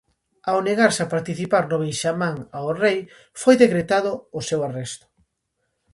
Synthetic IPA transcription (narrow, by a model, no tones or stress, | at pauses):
awneɣaɾsapaɾt̪iθipaɾnoβiʃamãŋaorej | fojðekɾet̪aðʊːsewarest̪ʊ̥